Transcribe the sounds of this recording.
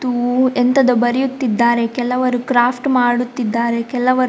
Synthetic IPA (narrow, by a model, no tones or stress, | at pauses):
t̪ːuent̪ɐd̪ɐbɐɾijut̪ːid̪ːaːɾe̞kɛlɐʋɐɾukɾaːpʰʈmaːɽut̪ːid̪ːaːɾe̞kɛlːɐʋɐɾ